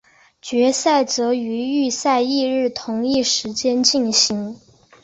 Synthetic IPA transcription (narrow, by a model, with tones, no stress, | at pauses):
t͡ɕɥɛ˧˥sa˥˩ɪt͡sɤ˧˥y˧˥y˥˧sa˥˧ɪi˥˧ɻɻ̩˥˩t̪ʰʊ˧˥ŋi˥˩ʂɻ̩˧˥t͡ɕjɛ˥nt͡ɕi˥˩nɕi˧˥ŋ